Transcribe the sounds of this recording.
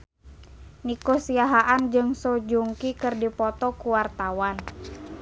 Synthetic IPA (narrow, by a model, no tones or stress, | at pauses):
nikosiaɦaʔand͡ʒɨŋsod͡ʒuŋkikɨrdipɔt̪ɔkuwart̪awan